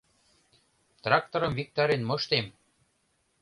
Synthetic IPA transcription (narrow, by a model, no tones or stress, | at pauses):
t̪rɑk̚t̪oɾɤ̆mvik̚t̪ɑɾenmɤ̆ʃt̪em